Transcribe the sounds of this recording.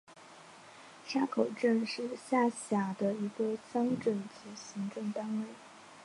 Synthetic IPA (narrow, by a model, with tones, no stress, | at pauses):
ɕja˥kʰo˨˩ʊʈ͡ʂə˥˧nʂɻ̩˥˧ɕja˥˩ɕja˨˩d̪ə˧i˧˥ɡə˧ɕɑ˥ŋʈ͡ʂə˥˩nt͡sɹ̩˧˥˩ɕi˧˥ŋʈ͡ʂɤ˥˩ŋt̪a˥nwe˥˩ɪ